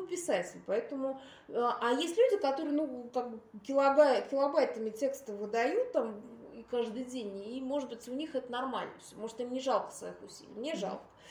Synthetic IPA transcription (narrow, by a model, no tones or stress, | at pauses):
pʲɪsatʲɪlʲpɐɛt̪əmʊ | aʔɐjesʲtʲlʲʉdʲɪkɐt̪o̞ɾɨjənukak̚bɨkʲɪlˠabakʲɪlˠɐbajt̪əmʲɪtʲe̞kst̪əvɨd̪ɐjut̪̚ːamikaʐd̪ɨjdʲenʲimo̞ʐɨt̪bɨtʲʊnʲixɛt̪ənɐrma̰lʲnəfʲsʲomo̞ʐɨt̪imnʲɪʐɑlˠkə̥svɐ̰ixʊsʲḭlʲɪ̰jmnʲeʐɑ̰lˠkə̥